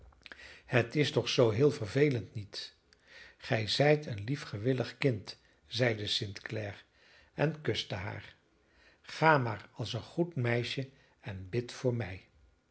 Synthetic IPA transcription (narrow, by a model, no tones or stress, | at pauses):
hətɪstɔχsowɦɪːlˠvəɹvejləntnit | χɛjzɛjtʰənlifχəʋɪləχkɪnt | z̥ɛjdəsɪntklɛːr | ɛnkɵstəɦa̰ːɹ | χaːmaːɹɑlˠsənχutmɛjʃə | ɛnbɪtfʊːɹmɛj